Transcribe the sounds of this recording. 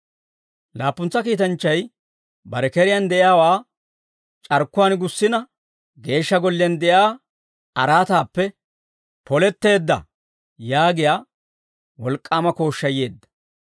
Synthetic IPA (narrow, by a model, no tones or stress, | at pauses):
laːpːʊnt͡sːɐkiːt̪ɐnt͡ʃːɐj | bɐɾɛkɛɾɪjand̪ɛʔɪjaːwaː | t͡ʃʼɐɾkːʊwaːnɡʊsːɪnɐ | ɡe̞ːʃːɐɡɔlːɛnd̪ɛʔjaː | ɐɾaːt̪aːpːɛ | pɔlɛt̪ːe̞ːd̪ːɐ̰ | jaːɡɪjaː | wɔlkʼːaːmɐko̞ːʃːɐjeːd̪ːɐ̥